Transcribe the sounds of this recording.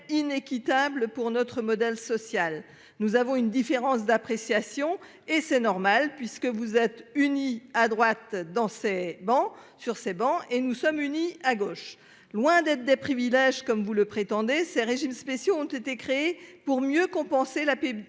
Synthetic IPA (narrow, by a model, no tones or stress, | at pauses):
inekʲit̪abləpuʁnɔt̪χəmɔd̪ɛlsɔsjal | nuzavɔ̃ynd̪ifeʁɑ̃s̬d̪apχesjasjɔ̃ | esɛnɔʁmalpɥiskəvuzɛt̪yniad̪ʁwat̪̚d̪ɑ̃sɛbɑ̃syʁsɛbɑ̃enusɔmyniaɡoːʃ | lwɛ̃d̪ɛt̪χd̪ɛpχivilɛʒkɔmvuləpχet̪ɑ̃d̪esɛʁeʒimspesjoɔ̃t̪et̪ekχeːpuʁmjøkɔ̃pɑ̃selape